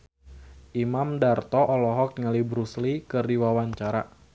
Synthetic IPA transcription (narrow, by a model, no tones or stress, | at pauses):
ʔimamdart̪ɔʔɔlɔɦɔk̚ŋəlibɾuslikɨrdiwawaɲt͡ʃaɾa̰